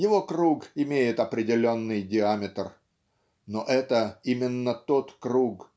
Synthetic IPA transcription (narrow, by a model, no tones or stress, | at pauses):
jɪvo̞kɾuɡɪmʲejɪt̪ɐpɾʲɪdʲɪlʲo̞nːɨjdʲɪamʲɪt̪r | noʔɛt̪əimʲɪnːət̪o̞t̪kɾuk